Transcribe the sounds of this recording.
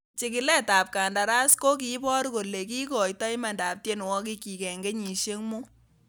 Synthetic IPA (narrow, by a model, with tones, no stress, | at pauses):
t͡ʃi˨kɪ˨lɛ˦ta˨p̚ka˨nda˨ɾa˦sko˦k̬i˨˦bɔ˦ɾko˨le˨ki˦kɔ˨jtɔ˦jma˨nda˨p̚tje˦n˨wɔ˦k̬i˦ki˨kɛ˨ŋɡe˦ɲi˨ʃe˦ŋmu˦